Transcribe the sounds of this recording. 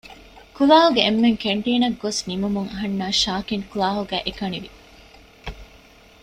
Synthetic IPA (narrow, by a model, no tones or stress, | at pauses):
kulaːɦuɡeːmːeŋkeɳʈiːnɐɡːosnimumuŋɐɦɐnːaːʃaːkiŋkulaːɦuɡæ̰ːʔekɐniʋi